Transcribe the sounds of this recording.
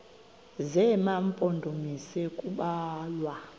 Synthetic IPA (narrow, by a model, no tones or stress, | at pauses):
zɛmampʼɔndʱomisɛkʼuɓaːlwa